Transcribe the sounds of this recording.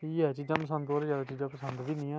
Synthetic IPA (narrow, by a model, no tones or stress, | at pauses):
iːɛːt͡ʃiːzãːpəs̬ənd̪oːɾed͡ʒaːʋeːt͡ʃiːzãːpəsənd̪d̪iːnĩːɛ̃ː